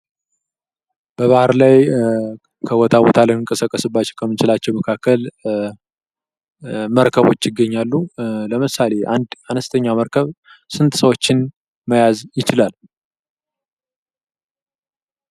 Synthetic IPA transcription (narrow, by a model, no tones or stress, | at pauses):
b̥əβahaɾlaj | kʰəwɔt̪ʰawɔt̪ʰalənɨŋkʼəsəkʼːəsɨbːat͡ʃːɛwkʰəmːɨnt͡ʃɪlat͡ʃːɛwməkʰakːəl | məɾkʰəβo̞̰t͡ʃːjɪɡːəɲːalːuləmɨsale̞ʔa̰nd̪anəst̪ʰəɲːaməɾkʰəβsɨnt̪ʰsəwot͡ʃːɪn | məjazjɪt͡ʃɪlal